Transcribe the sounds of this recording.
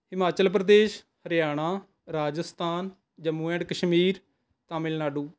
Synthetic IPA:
ɦɪmaːt͡ʃəlpɾəd̪eːʃ | həɾjaːɽ̃aː | ɾaːd͡ʒəst̪ʰaːn | d͡ʒəmũːɛ̃ɖkəʃmiːɾ | t̪ãːmɪlnaːɖuː

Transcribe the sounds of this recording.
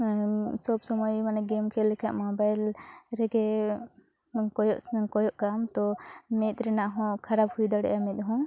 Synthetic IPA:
sɔbsɔmɔjmanɛɡɛmkʰɛlɛkʰɛʔmɔbajlɾɛɡɛ | kɔjɔʔskɔjɔʔkamt̪ɔmɛt̪̚ɾɛnaʔɦɔ̃kʰaɾabhujd̪aɽɛ̰ʔjamɛt̪̚ɦɔ̃

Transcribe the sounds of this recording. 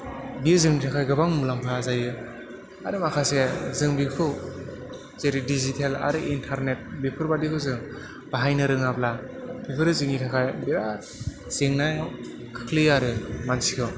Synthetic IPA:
biɯzɯŋnitʰakʰajɡɯbaŋmulampʰazajɯ | aɾɯmakʰasezɯŋbikʰɯ | zeɾidizitʰela̰ɾɯʔintʰaɾnet̚bipʰɯɾbadikʰɯzɯŋ | b̥aɦajnɯɾɯŋaplabipʰɯɾɯzɯŋnitʰakʰajbiɾa | z̥eŋnaj | kʰɯ̥kʰlijaɾɯmansikʰɯw

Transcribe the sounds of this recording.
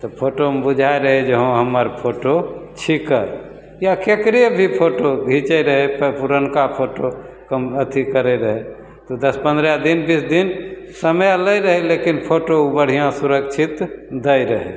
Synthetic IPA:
t̪ɔpʰoʈomebud͡ʒʱaeɾəɦed͡ʒəɦõɦəməɾpʰoʈot͡ʃʰikə | jakekɾebʱipʰoʈoɡʱit͡ʃeɾəɦeppuɾənkapʰoʈo | kəmət̪ʰikəɾeɾəɦe | t̪ɔd̪əspə̃nd̪ɾad̪inbisd̪in | səməələjɾəɦelekinpʰoʈoubəɽ̤ijãsuɾəkt͡ʃʰit̪d̪əjɾəɦḛ

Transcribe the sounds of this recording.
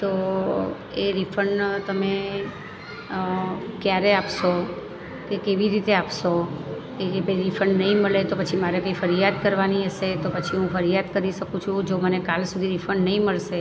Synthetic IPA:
t̪o | eɾifʰəɳt̪əme | kjaɾeapʃo | kekeʋiɾit̪eapʃo | keebʱəjɾifʰəɳnəɦĩməɭet̪opət͡ʃʰimaɾekəifəɾijad̪̚kəɾʋaniəʃet̪opət͡ʃʰiɦũfəɾijad̪kəɾiʃəkũt͡ʃʰũd͡ʒomənekalsud̪ʱiɾifʰəɳnəĩməɭʃe

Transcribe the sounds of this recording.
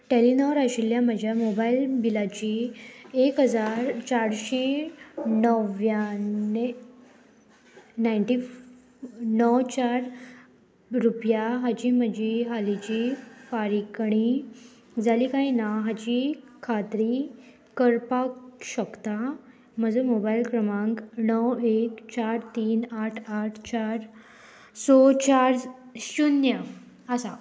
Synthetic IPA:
ʈelinɔɾaɕiljaməd͡ʑʱjamobailbilat͡ɕiekɦəd͡zaɾt͡ɕaɽɕe | nəʋjae | najɳʈi | nɔwt͡ɕaɾ | ɾupjaɦat͡ɕim̤əd͡ʑʱiɦalit͡ɕifaɾikəɽ̃i | d͡zalikaĩnaɦat͡ɕikʰat̪ɾi | kəɾpakɕəkt̪a | m̤əd͡zəmobailkɾəmãŋknɔwekt͡ɕaɾt̪iːnaʈʰaʈʰt͡ɕaɾ | sot͡ɕaɾɕunja | əsa

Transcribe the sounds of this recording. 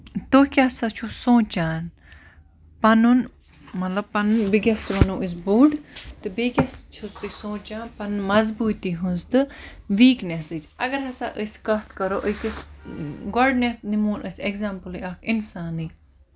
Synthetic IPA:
t̪oːkʲaːsat͡ʃʰusõːt͡ʃaːn | pɐnun | mɐt̪lɐb̚pɐnbiɡʲɐst̪ʋɐnoʔis̬buːɖt̪ɨbiɡʲɐst͡ʃʰust̪ɨsõːt͡ʃaːnpɐnmɐzbuːt̪iɦũnzt̪ɨʋiːknesɨt͡ʃɐɡɐɾɦɐsaːʔɨskɐt̪ʰkɐɾoːʔəkɨs | ɡɔɖnet̪nimuːnʔɨsʲeɡzaːmpəliɐkinsaːnɨ

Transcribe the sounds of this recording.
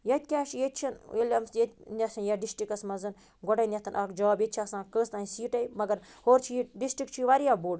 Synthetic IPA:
jɐt̪̚ʲkʲaːʃʰjet̪̚ʲt͡ʃʰinelʲɐmsjet̪̚ʲnʲɐsʰɐnjaɖisʈɾikɐsmɐzɨn | ɡɔʈɐjnʲɐt̪ɐnʔɐkd͡ʒaːbjet̪̚t͡ʃʰɐsãːkəːst̪aːisiːʈɐjmɐɡɐɾhoːɾt͡ʃʰiiɖisʈɾik̚t͡ʃʰiʋaɾjaːboːɖ

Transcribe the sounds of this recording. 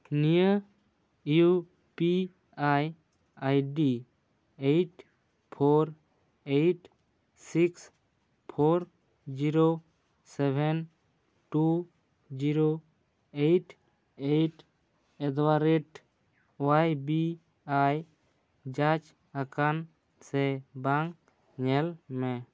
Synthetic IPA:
nijə | ju | pi | aj | ajɖi | ejʈ | pʰoɾ | ejʈ | siks | pʰoɾ | d͡ʒiɾo | sɛbʱɛn | ʈu | d͡ʒiɾo | ejʈ | ejʈ | ɛd̪waɾeʈ | oajbi | aj | d͡ʒat͡ʃ | akan | sɛbaŋk | ɲɛlmɛ

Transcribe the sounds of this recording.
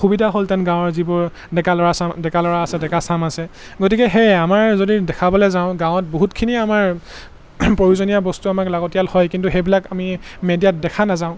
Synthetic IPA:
xubidʱaɦoltɛnɡãwʊ̃ɔɹzibɔɹ | dɛkalɔɹasamdɛkalɔɹaːsɛdɛkasamasɛ | ɡot̬ikɛɦɛjamaɹzodidɛkʰabɔlɛzãʊ̃ɡãʊ̃ɔt̚boɦutkʰiniamaɹ | pɹojuzonijabɔstuamaklaɡotijalhɔjkintuxejbilakamimedijat̚dɛkʰanazaʊ̃

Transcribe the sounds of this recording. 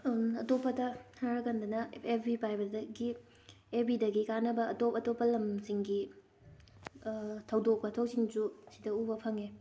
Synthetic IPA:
ɐtopːɐdɐtʰaɾɐɡɐndɐnɐebʱɾipajbɐdɐɡi | ebidɐɡikanɐbɐɐtopɐtopːɐlɐmsiŋɡi | tʰɐwdok̚pɐtʰok̚siŋd͡ʒusidɐubɐpʰɐŋe

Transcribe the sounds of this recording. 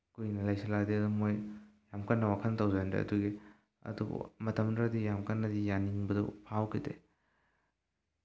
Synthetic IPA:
kujnɐlajsɐladeɐdumojjamkʰɐnːɐwakʰɐnɐtɐwzajndḛɐ̰duɡi | ɐ̰dṵb̰mɐtʰɐmdɾadijamkɐnːɐdijaniŋbɐdɐ̰pʰawkʰidḛ

